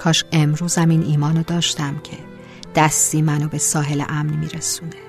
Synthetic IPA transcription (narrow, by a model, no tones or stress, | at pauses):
kʰɒːʃe̞mɾuːzæmiːnʔiːmɒːnod̪ɒːʃt̪æmcʰe̞̰ | d̪̥æst̪iːmænobe̞sɒːɦe̞lḛʔæmnmiːɾesuːne